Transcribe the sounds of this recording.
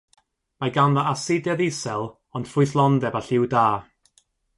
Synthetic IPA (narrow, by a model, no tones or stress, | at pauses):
maɡanðaasɪdjaðɪsɛlˠ | ɔnd̥fʊɨθlˠɔndɛbaɬɪwdaː